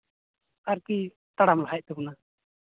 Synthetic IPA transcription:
aɾki | t̪aɽamlaɦajʔ̚t̪ɛkuna

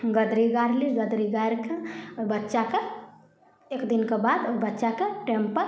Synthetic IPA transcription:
ɡəd̪ɾiɡaɾliɡəd̪ɾiɡajɾkʰeobətːʃake | ekd̪inkebad̪obətːʃakeʈempəɾ

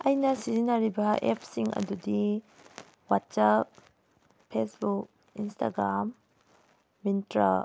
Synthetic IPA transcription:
ɐjnɐsizinaɾibɐʔḛpʰsiŋɐ̰dudi | watsap̚ | pʰesbuk̚ | instʰa̰ɡɾamː | intɾa̰

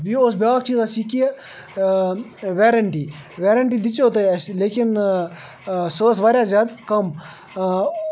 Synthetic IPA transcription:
biːosbʲaːk̚t͡ʃiːzasiki | ʋeːɾəɳʈiːʋeːɾəɳʈiːd̪ɪt͡ʃoːt̪ɐsleːkɪn | soːsʋaːɾʲjaːzʲjaːd̪kɐm

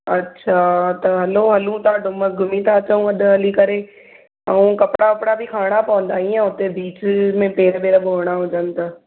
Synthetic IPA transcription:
ɐtːʃʰat̪ɐɦɐloːɦɐlũt̪aɖʊməsɡʱʊmĩt̪ʰat͡ʃəũɐɗ̪ɦɐlikɐɾeː | ɐũkɐpɽakɐpɽabʱikʰaːɽ̃apɔ̃ːnd̪aːĩãʊt̪ebiːt͡ʃmẽpeːɾbeːɾboːɽ̃aɦod͡ʒənt̪a

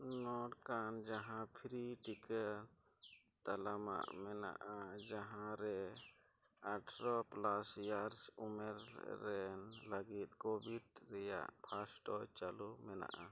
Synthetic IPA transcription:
nɔʈkand͡ʒaɦãpʰɾiʈikəɾ | t̪alama̰ʔmɛna̰ʔad͡ʒaɦãɾɛ | aʈʰɾɔplasjaɾsumɛɾːɛnlaɡit̪̚kobiʈɾɛja̰ʔpʰasʈɔt͡ʃalumɛna̰ʔa

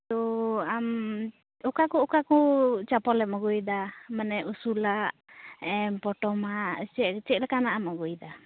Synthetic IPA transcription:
t̪ɔam | ɔkakɔɔkakɔt͡ʃapɔlɛp̚mɔɡujd̪amanɛʔusulaʔɛmpɔʈɔmaʔt͡ʃɛt͡ʃɛʔ̚lɛkanaʔamɔɡujd̪a

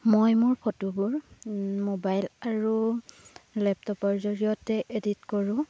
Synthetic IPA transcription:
mojmʊɹpʰotubuɹmobajlaɹu | lɛp̚tɔpɔɹzɔɹijɔtɛʔeditkɔɹʊ̃

